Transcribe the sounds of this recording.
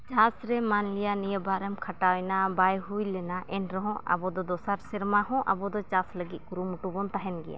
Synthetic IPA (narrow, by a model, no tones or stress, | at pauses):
t͡ʃãsɾɛmanlijanijəbaɾɛmkʰaʈawjnabajɦujlɛnaʔɛnɾɔɦɔ̃ʔa̰bɔd̪ɔd̪ɔsaɾsɛɾmaɦɔ̃ʔa̰bɔd̪ɔt͡ʃãsləɡit̪̚kuɾumuʈubɔnt̪aɦɛnɡɛ̰ja̰